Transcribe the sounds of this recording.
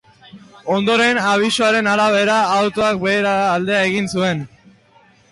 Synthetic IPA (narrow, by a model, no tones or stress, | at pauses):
o̞nd̪o̞ɾe̞naβ̞iso̞aɾe̞naɾaβ̞e̞ɾaːwt̪o̞akbe̞ːɾaːld̪e̞ae̞ɣinsue̞n